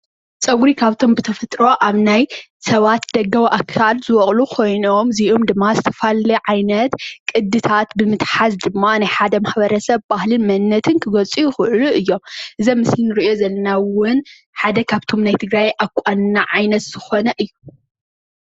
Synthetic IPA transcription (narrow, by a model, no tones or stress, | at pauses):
t͡sʼɐɡɾikʰaβt̪ʰo̞mbɨt̪ʰɐfɐt̪ʼɾo̞ʔaβnajsɐβat̪d̪ɐɡːɐwʔakʰːalzɨwɔχʼlukʰo̞jno̞mziʔomd̪ɨmːazɨt̪ʰɐ̥falɐʕajnɐt̪kʼɨd̪ːɨt̪ʰat̪bɨmɨt̪ħazd̪ɨmːanajħad̪ɐmaħbɐɾɐsɐβbahlɨnmɐnːɐt̪ʰɨnkʰɨɡɐt͡sʼujɪxɨʔɨluʔɨjːo̞mʔɨzɐmːɨslinɨɾɨʔijo̞zɐlːɐnawʊn | ħad̪ɐkʰaβt̪ʰo̞mnajt̪ʰɨɡɾajʔakʷʼannaʕajnɐt̪z̥ɨxo̞nɐʔɨjːu